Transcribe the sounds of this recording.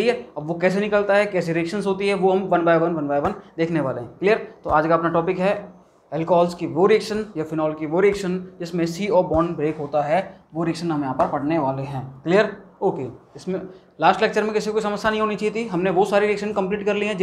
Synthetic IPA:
ieɐbʋokɛːs̬enɪkəlt̪aɦɛkɛːs̬iɾiɛkʃənsɦoːt̪iɦɛʋoɦɐmʋɐnbaːjʋɐnʋɐnbaːʋɐnd̪eːkʰneʋaːleɦɛ̃klijəɾt̪oaːd͡ʒkaɐpnaʈɔːpɪkɦɛ | ɛlkɔːlskiʋoɾiɛːkʃənjafɪnɔːlkiʋoɾiɛːkʃənd͡ʒɪsmẽsiːoːbɔːnbɾeːkɦoːt̪aɦɛʋoɾiɛkʃənɦɐmjɦãːpɐɾpɐɽneʋaːleɦɛ̃ːklijəɾ | oːkeɪsmẽ | laːsʈlɛk̚t͡ʃəɾmẽkɪsikoːisɐməsːjanɐɦĩɦoːnit͡ʃaːit̪ʰiɦɐmneʋosaːɾiɾiekʃənkɐ̃mpliːʈkɐɾliɦɛ̃d͡ʒ

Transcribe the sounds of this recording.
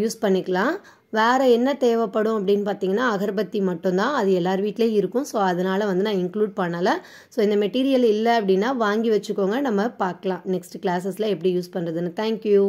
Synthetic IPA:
juːspɐɳːɪkːɐɭãː | ʋeːɾɐɛnːɐt̪eːʋɐpːɐɽʊ̃ɐp̬ːɐɽɪnːɯpaːɾt̪iːŋɡɐnːaːɐɣɐɾbɐt̪ːimɐʈːʊ̃nt̪ãːɐðɯɛlːaːɾɯʋiːʈːɪleːɪɾɯkːʊ̃soːɐðɐnaːlɐʋɐnd̪ɯnãːɪŋkluːɖ̚paɳːaːlɐ | soːɪnd̪ɐmɛʈiːɾɪjɐlɪlːɐɐpːɐɽɪnːaːʋaːŋɡiʋɐt͡ʃːɯkːoːŋɡɐnɐmːɐpaːɾkɐlãːnɛksʈɯklaːs̬ɐslɐɛpːɐɽijuːspɐɳɾɐðɯnːɯt̪ʰaːŋkju

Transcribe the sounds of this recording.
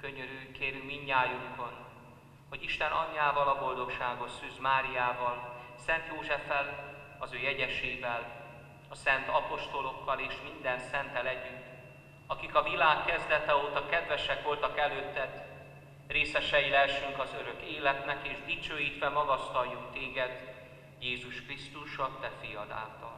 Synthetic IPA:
køɲøɾyːkeːɾymmiɲːaːjuŋkon | ho̞ɟiʃt̪ɛnɒ̰ɲːaːvɒlɒbo̞ld̪o̞kʃaːɡot̪syzmaːɾijaːvɒlsɛnt̪joːʒɛfɛl | ɒzøːjɛɟɛʃeːvɛl | ɒsɛnt̪ɒpo̞ʃt̪o̞lo̞kːɒleːʃmind̪ɛnsɛnt̪ɛlɛɟyn | ɒkikɒvilaːkːɛzd̪ɛt̪ɛoːt̪ɒkɛd̪vɛʃɛkʋo̞lt̪ɒkɛløːt̪ːɛt̪ | reːsɛʃɛjilɛʃyŋkɒzøɾø̞keːlɛt̪nɛkeːʒd̪it͡ʃøːjiːt̪ʋɛmɒɡɒst̪ɒjːuŋt̪eːɡɛd̪ | jeːzuʃkrist̪uʃɒt̪ɛfijɒd̪a̰ːlt̪ɒl

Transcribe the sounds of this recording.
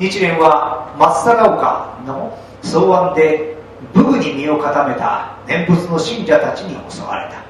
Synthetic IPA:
ɲit͡ɕiɾẽ̞ɰ̃βamasːaɡaɯ̟ka̰no̞ | soːβãnd̪e̞ | bɯ̟ɡɯ̟ɲ̟imʲio̞kat̪ame̞t̪a̰nẽ̞mbɯ̟t͡sɨno̞ɕĩɲd͡ʑat̪at͡ɕiɲ̟iho̞̰so̰ɡa̰ɾe̞̰t̪ḁ

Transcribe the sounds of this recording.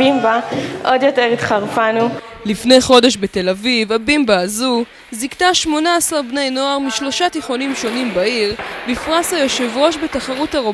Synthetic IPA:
imbaʔod̪jo̞teʁit̪χaʁfanulifne̞jχo̞de̞ʃbe̞t̪e̞lavivabimbaːzu | ziktaʃmo̞naasaʁbne̞jno̞aʁmiʃlo̞ʃat̪iχo̞nimʃo̞nimbaiʁbifʁasajoʃevʁo̞ʃbe̞taχaʁuthaʁo

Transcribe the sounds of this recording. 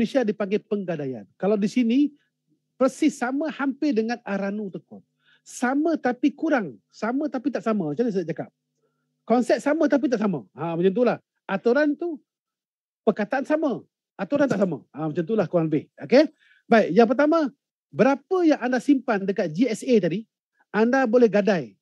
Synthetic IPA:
lesiadipaŋɡapəŋɡadaja̰nkalawdisini | pəsɪsaməhampɪdəŋanaɾanut̪əkʊt̪̚ | samət̪apikuɾaŋ | samə̃t̪apit̪aʔsaməmat͡ʃamnisaaʔt͡ʃaka̰p̚ | kɔnsɛt̪̚samə̃t̪ap̬it̪aʔsama̰amat͡ʃamt̪̬ulah | ʔat̪uɾant̪u | pərkat̪aʔansamə | ʔat̪uɾant̪aʔsama̰amət͡ʃant̪ulahkuɾaŋləbɪhoke | baik̚jãŋp̬ərt̪amə̃ | bəɾapəjaŋandasimpandəkat̪̚d͡ʒiɛset̪adi | andabolɛhɡadaj

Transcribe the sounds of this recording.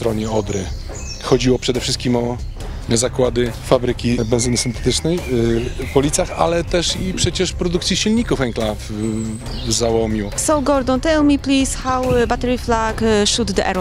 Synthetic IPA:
t̪ɾɔɲɛɔd̪ɾɘ | xɔd͡ʑiwɔpʂɛd̪ɛfʂɘst̪̚kʲimɔ | zakwad̪ɘfabɾɘkʲibɛnzɘnɘsɘnt̪ɛ̥t̪ɘt͡ʂnɛjpɔlʲit̪saxa̰lɛt̪ɛʂipʂɛt͡ɕɛʂpɾɔd̪uk̚t̪sʲjiɕilɲikufɛŋklav | zawɔmʲusɔwɡɔɾd̪ɔ̃nt̪ɛlmiplisxawbat̪ɛɾiflaɡʃud̪d̪əʔɛ̰ɾ

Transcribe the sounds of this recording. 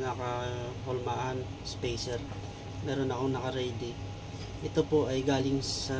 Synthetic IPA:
nɐkɐɦolmaʔɐn | spɛjsɛɾ | mɛːɾo̞nɐko̞ŋnɐkɐɾɛjd̪ɪ | ʔɛt̪o̞po̞ʔɐjɡaːlɪŋsɐ

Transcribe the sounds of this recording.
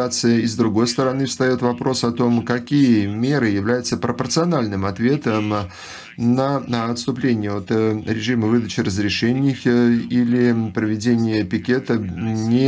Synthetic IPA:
at̪sɨjəɪzd̪ɾʊɡo̞jst̪əɾɐnɨfst̪ɐjo̞t̪vɐpɾo̞sɐt̪o̞mkɐkʲijəmʲe̞ɾɨjɪvlʲæjʊt̪səpɾəpərt̪sɨɐnalʲnɨmɐt̪vʲe̞t̪əm | nəɐt̪st̪ʊplʲenʲɪjəo̞t̪ɾʲɪʐɨməvɨd̪ət͡ɕɪrəzɾʲɪʂɛnʲɪjxilʲɪpɾəvʲɪdʲenʲɪjəpʲɪkʲe̞t̪ənʲɪ

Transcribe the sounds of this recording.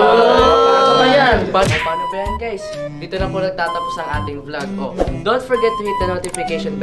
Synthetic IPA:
o | janpanopaːnopɐjaɪŋɡajs | d̪iːt̪olɐponɐɡ̚t̪aːt̪ɐposnɐŋʔa̰ːt̪ɪŋblaɡʔo̰d̪onfɔɹɡɛt̪ːʊhɛt̪̚ɐnot̪ɪfɪkeʃɔnp

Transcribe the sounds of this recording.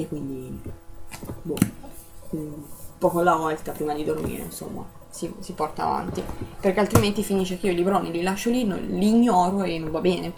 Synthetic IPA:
ekːwind̪i | bu | pɔːkolavɔlt̪apɾiːmad̪id̪ormḭːɾḛinso̰mːa̰ | sisipɔrt̪a̰ːva̰nt̪iperk̟ealt̪ɾiment̪ifinit͡ʃekeiolibɾoːnililaʃːolinːo̰liːɲːɔːɾoenːõɱvabːɛːne

